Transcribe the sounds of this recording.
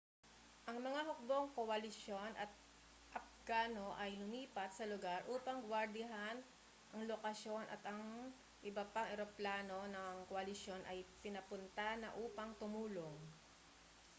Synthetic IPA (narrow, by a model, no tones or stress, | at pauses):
ʔɐŋmɐŋaɦʊk̚bo̞ŋkoʔɐlɪʃjo̞nʔɐt̪̚ | ʔɐf̚ɡ̥aːno̞ʔɐjlʊmiːpɐt̪̚sɐlʊɡaɾʔuːpɐŋɡwɐɾd̪ɪɦan | ʔɐŋlokɐsjo̞nʔɐ̰t̪ɐŋ | ʔɪbɐpaŋɛɾoplaːno̞nɐŋkoʔɐlɪʃjo̞nʔɐjpɪnɐpʊnt̪anɐ̰ʔuːpɐŋt̪ʊmuːloŋ